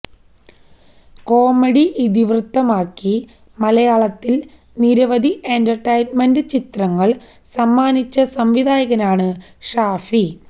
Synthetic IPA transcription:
ko̞ːmeɽiʔid̪iʋrɨt̪ːɐmaːkːi | mɐlɐjaːɭɐt̪ːil | niɾɐʋɐd̪iʔentɐrʈɐjnmendɨt͡ɕit̪rɐŋːɐɭ | sɐmːaːnit͡ɕːɐsɐmʋid̪ʱaːjɐɣɐnaːɳɨ | ʂaːfi

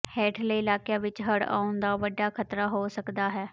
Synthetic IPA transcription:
hɛːʈʰləːɪlaːkjãːʋɪt͡ʃɦəɽa̰ːʊnd̪aːʋəɖːaːkʰət̪ɾaːɦoːsəkd̪aːɦɛː

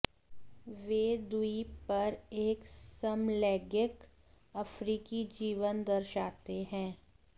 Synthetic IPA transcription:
ʋeːd̪uipɐɾeːksɐmlɛːɡjɪk | ɐfɾiːkid͡ʒiːʋənd̪ɐɾʃaːt̪eɦɛ̃ː

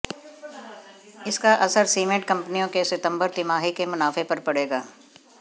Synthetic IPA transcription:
ɪskaʔɐsəɾsiːmẽʈ̚kɐ̃mpnijõkesɪt̪ə̃mbəɾt̪ɪmaːɦikemʊnaːfepɐɾpɐɽeːɡaː

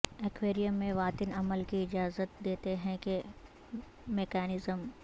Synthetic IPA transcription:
ekʋeːɾijəmːẽʋaːt̪ɪnɐməlkiɪd͡ʒaːzət̪̚d̪eːt̪eɦɛ̃ke | meːkɛːnɪzəm

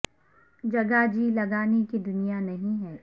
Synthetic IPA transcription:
d͡ʒɐɡad͡ʒiːlɐɡaːnekid̪ʊnijanɐɦĩɦɛː

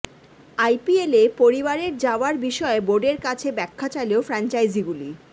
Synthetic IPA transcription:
ajpielepoɾibaɾeɾd͡ʑaoaɾbiʃɔeboɖeɾkat͡ɕʰebɛkʰːat͡ɕaleofɾant͡ɕajd͡ʑiɡuli

